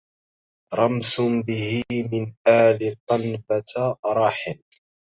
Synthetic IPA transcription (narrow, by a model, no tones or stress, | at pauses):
ɾˤɑmsʊbɪhɪmɪnʔaːlɪt̪ˤːɑnbat̪ɾˤɑːħɪn